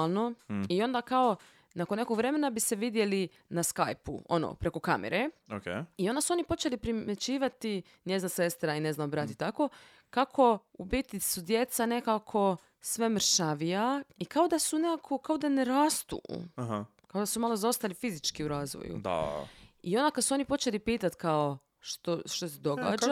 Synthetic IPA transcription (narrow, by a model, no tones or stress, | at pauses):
lˠno̞io̞nd̪akao̞ | nakonːe̞koɡʋɾe̞me̞nabise̞ʋid̪je̞li | naska̰jpṵo̞̰no̰pɾe̞ko̞kamḛɾeokeio̞nd̪asuo̞nipo̞t͡ʃe̞lipɾimje̞t͡ɕiːʋat̪i | ɲjeznase̞st̪ɾaine̞znabɾat̪it̪ako̞ | kakʰo̞ubit̪isud̪je̞t̪sanekakʰo̞ | sʋemɾʃaʋiaikao̞d̪asunekakʰokaod̪aneɾaːst̪ṵɦa | kao̞d̪asumalˠozaost̪alifizit͡ʃkiuɾaːzʋo̰jṵd̪a̰io̞nd̪akad̪suo̞nipo̞t͡ʃelipiːt̪at̪kao | ʃt̪oʃt̪osed̪oɡa̰ːd͡ʒa